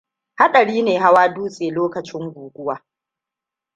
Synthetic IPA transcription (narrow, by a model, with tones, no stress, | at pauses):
ha˦ɗɐ˨ɽiː˦neː˨ɦa˦waː˦duː˦sʼeː˨loː˦kɐ˨t͡ʃɪ˦ŋɡʷuː˨ɡʷʊ˦waː˨˦